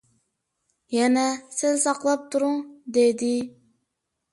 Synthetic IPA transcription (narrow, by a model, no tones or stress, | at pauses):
jɛnɛsɪzsɑqlˠɑp̚t̪ʰuɾʊŋd̪ed̪ɪ